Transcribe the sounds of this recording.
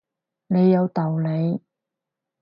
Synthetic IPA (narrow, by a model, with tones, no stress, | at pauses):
ne˨˧jːɐ˨˧wt̪ɐ˨wne˨˧j